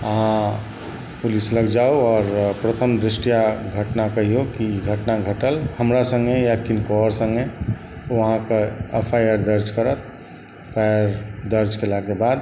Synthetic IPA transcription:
əɦã | pulisləɡd͡ʒaoɔːɾpɾət̪ʰəmd̪ɾisʈijaɡʱəʈnakəɦiokiiɡʱəʈnaɡʱəʈəlhəmɾasə̃ŋɡejakinkoɾsə̃ŋɡe | ʋəɦãkeepʰajəɾd̪əɾd͡ʒkəɾət̪̚ʰ | epʰajəɾd̪əɾd͡ʒkelakebad̪

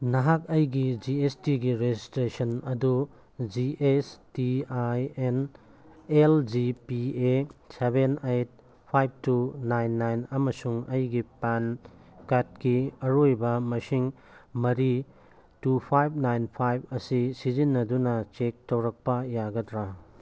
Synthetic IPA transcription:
nɐɦak̚ɐjɡid͡ʒiestiɡiɾed͡ʒistɾesɐnɐdu | d͡ʒiʔestiajen | eld͡ʒipiesebenejt̚ | pʰajb̚tunajnːajnɐmɐsuŋɐjɡipan | kat̚kiɐɾojbɐmɐsiŋ | mɐɾi | tupʰajb̚najnpʰajb̚ʰɐsisizinːɐdunɐt͡ʃek̚tɐwɾɐk̚pɐjaɡɐdɾa

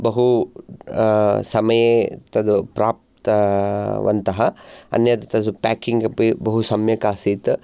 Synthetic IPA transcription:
bɐɦu | sɐmɐjet̪ɐd̪upɾaːp̚t̪ | ʋɐ̰nt̪ɐɦɐɐ̰njɐt̪t̪ɐd̪upɛːkiŋɡɐpibɐɦusɐmjɐkaːsiːt̪

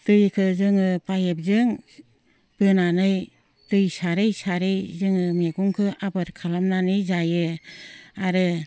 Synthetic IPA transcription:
tɯjkʰɯzɯŋɯpajep̚zɯŋ | b̥ɯnanɯj | tɯjsaɾɯjsaɾɯjzɯŋɯmeɡuŋkʰɯʔabɯɾkʰalamnanɯjzajɯ | aɾɯ

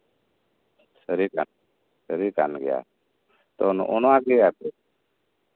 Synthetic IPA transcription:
səɾikan | səɾika̰nɡɛja̰ | t̪ɔnʔɔnɔakɛat̪ɛ

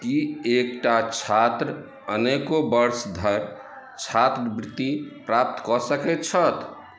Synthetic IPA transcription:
kiekʈat͡ʃʰat̪ɾ | ənekobəɾsd̪ʱəɾ | t͡ʃʰat̪ɾəbɾɪt̪ːipɾap̚t̪kɔsəkɛt͡ʃʰət̪

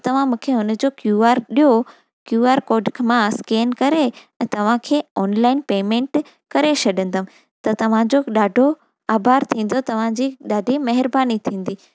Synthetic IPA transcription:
t̪ɐʋ̤ãmũːkʰeɦʊnd͡ʑokjuːaːɾɗijo | kjuːaːɾkoːɖkʰmãskeːnkɐɾeɛ̃ːt̪ɐʋ̤ãkʰeːɔːnlaːɪnpeːmẽːɳʈ | kɐɾesʰɐɗə̃nd̪əm̆ | t̪ɐt̪ɐʋ̤ãd͡ʑoɗaːɖʱo | aːbaːɾt̪ʰĩːn̆d̪ot̪ɐʋ̤ãd͡ʑiɗaːɖʱimɐɦɪɾbaːnit̪ʰĩːn̆d̪iː

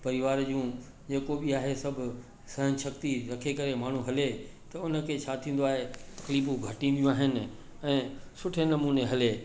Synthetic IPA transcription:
pɐɾɪʋaːɾd͡ʑũː | d͡ʑeːkoɓiaːɦesɐbʱʊ̆ | sɐɦənɪ̆ʃɐkt̪iɾɐkʰekɐɾemaːɳ̤ũɦɐlet̪ɐʊnə̆kʰeːt͡ɕʰaːt̪ʰĩːnd̪oaːɦet̪ɐ̥xliːbũɡʱɐʈĩmijũaːɦɪnɪ̆ | ɛ̃ːsʊʈʰenɐmuːneɦɐleː

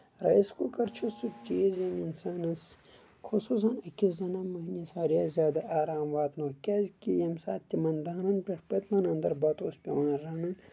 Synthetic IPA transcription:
ɾɐiskukɐɾt͡ʃʰusut͡ʃiːzɐminsaːnɐs | kʰusuːs̬ɐnɐkizɐnɐmɐɦnisaːɾjaːzʲjaːd̪ɐʔaːɾaːmʋaːt̪nokʲɐzkʲijɐmsa̰ːt̪t̪ʲːimɐnd̪aːnɐnpʲɐʂpɐt̪lɐnɐnd̪ɐɾbɐt̪oːspʲɐwɐːnɾɐnɐn

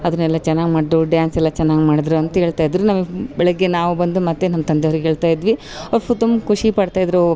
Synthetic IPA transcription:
ɐd̪ɐnːɛlːat͡ʃɛnːaːɡimaːɽd̪uɖjaːnsɛlːɐt͡ʃɛnːaːɡimaːɽd̪ɾuɐnt̪ɐɦeːɭt̪aːjid̪ɾunɐmːɐbɛɭɐɡːenaːʋubɐnd̪umɐt̪ːenɐmːɐt̪ɐnd̪eoʋɾɡeɦeːɭt̪aːjid̪ʋi | ɐʋɾpʰut̪umkʰuʂipɐɽt̪aːjid̪ɾu

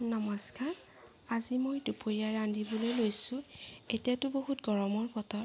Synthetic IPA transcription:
nɔmɔskaɹ | azimojdupoɹiaɹandibolojlojsʊ̃etijatʊboɦutɡɔɹɔmɔɹpɔtɔ

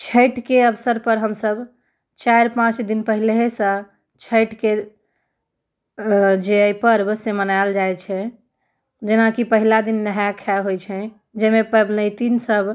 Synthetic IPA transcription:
t͡ʃʰəʈkeəbsəɾpəɾɦəmsəb | t͡ʃajɾpãt͡ʃd̪inpəɦilɦesə̃ | t͡ʃʰəjʈke | d͡ʒeəjpəɾbəsemənaeld͡ʒajt͡ʃʰɛ | d͡ʒenakipəɦilad̪inːəɦjakʰaɦojt͡ʃʰɛ̃ | d͡ʒemepəbnəɪt̪insəb

